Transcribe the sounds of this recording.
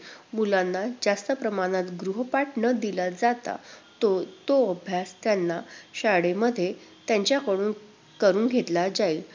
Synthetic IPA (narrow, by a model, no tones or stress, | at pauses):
mulãnːad͡zast̪əpɾəmaɽ̃at̪ɡɾuɦəpaʈɳəd̪ilad͡zat̪a̰t̪ot̪oəbʱjast̪janːaɕaɽeməd̪ʱːje | t̪jaɲt͡ɕjakəɽuːn | kəɾũːnɡʱet̪lad͡zail